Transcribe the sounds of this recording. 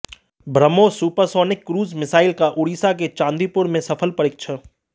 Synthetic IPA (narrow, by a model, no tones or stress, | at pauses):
bʱɾəmosuːpəɾsɔːnɪkːɾuːzmɪsaːɪlkaʔʊɽiːsak̬et͡ʃãːnd̪iːpʊɾmẽsɐfʰəlpəɾɪk̚t͡ʃʰə